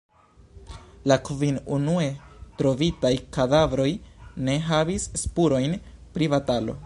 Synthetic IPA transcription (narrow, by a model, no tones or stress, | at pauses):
lakvinunue̞tɾo̞vitajkadavɾo̞jne̞ɦavisːpuɾo̞jnpɾivatalo̞̰